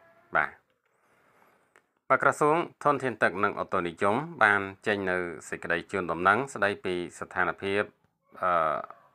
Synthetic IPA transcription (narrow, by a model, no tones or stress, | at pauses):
ɓa̰ː | ɓəkrɔsuəŋt̪ʰŭənt̪ʰiənt̪ɨk̚nɨŋʔot̪ːoːnijumɓaːnt͡ɕəɲnɨwsəc̚kə̆ɗəjt͡ɕuənɗɑmnɨŋsɗəjpiːst̪ʰaːnpʰiəp̚ | ʔəː